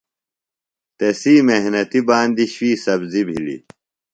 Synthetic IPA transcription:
t̪esiːmeɦnɐt̪ibaːnd̪iɕwiːsɐbzibʱḭlḭ

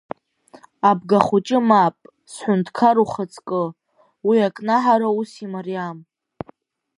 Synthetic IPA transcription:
abɡaχut͡ʃʼɪmapʼ | sħʷʊntʰkʰaɾuχat͡sʼkʼɨ | wiakʼnaħaɾausimaɾijam

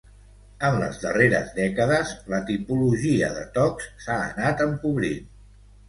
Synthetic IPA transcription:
ənlə̰zðəreɾə̰zðɛkəðəzlət̪ipuluʒiə̰ðə̰t̪ɔksːa̰ːnat̪əmpuβɾin

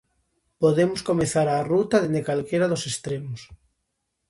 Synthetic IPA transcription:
poðemoskomeθaɾarut̪aðend̪ekalkeɾaðosest̪ɾemos

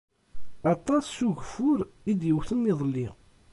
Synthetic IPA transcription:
ɑt̪ˤːɑsːuʝfʊɾid̪jəwθənːɪðˤlːi

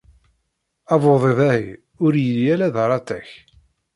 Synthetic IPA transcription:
ɑvoðˤeðæhi | ʊɾjəljælæðɾˤɑt̪æç

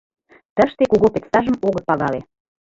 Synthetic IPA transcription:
t̪əʃt̪ekuɣopet̪st̪ɑʒəmoɣə̆t̪̚pɑɣɑle

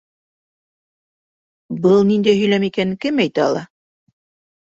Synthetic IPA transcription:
bɤlˠnind̪æjɦɵ̆jlæmikænɘkɘmæjt̪æɑ̰lˠɑ

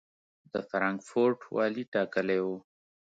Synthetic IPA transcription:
d̪əfɾɑŋkfoɾʈwɑ̰liʈɑkəlewo

